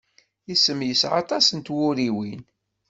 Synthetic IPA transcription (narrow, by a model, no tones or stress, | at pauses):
jisːəmjəsʕɑ̰t̪ˤɑsənt̪wʊɾiwin